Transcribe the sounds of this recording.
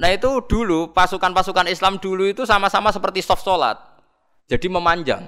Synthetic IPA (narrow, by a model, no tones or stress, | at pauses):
nait̪ud̪̥ulupasukanpasukanislamd̥ṳluit̪usamasamasəpərt̪isɔfsola̰t̪̚ | d͡ʒ̥a̤d̥iməmaɲd͡ʒa̰ŋ